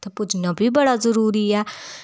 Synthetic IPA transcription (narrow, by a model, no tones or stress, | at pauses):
t̪ɛpʊd͡ʒnãːbʱiːbəɽaːzəɾuːɾiːɛː